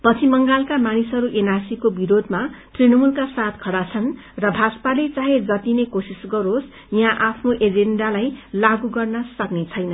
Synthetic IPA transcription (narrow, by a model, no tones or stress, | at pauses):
pʌt͡sʰimʌŋɡalkamanisɦʌɾuʔenarsikobiɾod̪ʱmat̪rinʌmulkasat̪kʰʌɽat͡sʰʌnrʌbʱaspalet͡saɦed͡zʌt̪inekosisɡʌɾos | jãʔapʰnoʔed͡zenɖalajlaɡuɡʌrnʌsʌknet͡sʰʌjnʌ